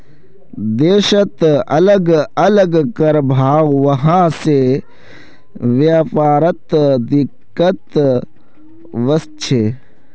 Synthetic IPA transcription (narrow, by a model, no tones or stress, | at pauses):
d̪eːʃət̪ɐləɡɐləɡkɐɾbʱaːwʋɐɦãːse | ʋjafaːɾət̪d̪ɪkːət̪ | ʋɐst͡ʃʰe